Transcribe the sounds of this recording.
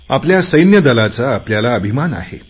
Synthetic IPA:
apljasəjnjəd̪əlat͡saːpljalaəbʱimana̰ɦḛ

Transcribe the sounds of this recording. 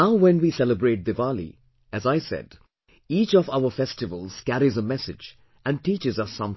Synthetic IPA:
naʊwɛ̃nwiːsɛləbɹeʈ̚d̪ɨvælḭ | æzaɪsɛ̰d | iːt͡ʃɔvaʊəfɛsʈɨvəlz̥kæɾizəmɛsɨ̰d͡ʒ | ʔæ̃n̚ʈiːt͡ʃɨzʌsːʌ̃m

